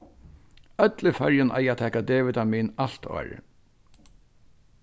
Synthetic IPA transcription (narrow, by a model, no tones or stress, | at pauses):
œt̪ləfœɹjɪnʔa̰jat̪ʰɛːkad̪eːʋɪt̪amiːnaɬt̪ʰɔ̰ːɾɪ̰